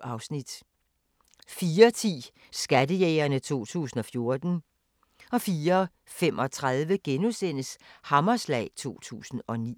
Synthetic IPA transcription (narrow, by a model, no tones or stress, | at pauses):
ɑ̈ʊsnid̥ | fiːɐt͡sʰḭː | sɡ̥ædəjeːɪɐnət͡sʰo̝̰ːt͡sʰṵːsn̩ɒ̽fjo̝ɐd̥n̩ | ɒ̽fiːɐ | fem̰ʔɒ̽t͡sʰʁaðˠʋəɡ̥enusen̰əshɑ̈mɐslɛ̰ɪt͡sʰo̝̰ːt͡sʰṵːsn̩ɒ̽nḭː